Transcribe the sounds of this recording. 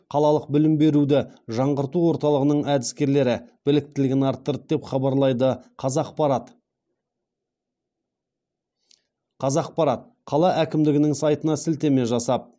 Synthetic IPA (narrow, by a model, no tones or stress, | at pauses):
qʰɑlˠɑlˠəq̚bɪlɪmbe̞ɾud̪ɪʒɑɴʁəɾt̪uwo̞ɾt̪ɑlˠəʁənəɴæd̪ɪskʲe̞ɾle̞ɾɪb̥ɪlɪk̚t̪ɪlɪɡʲɪnɑɾt̪ːəɾət̪̚d̪e̞pχɑbɑɾlˠɑjd̪əqʰɑzɑqpɑɾɑt̪ | qʰɑzɑq̚pɑɾɑt̪̚ | qʰɑlˠɑʔækʲɪmd̪ɪɡʲɪnɪŋsɑjt̪ənɑsɪlt̪e̞me̞ʒɑsɑp̚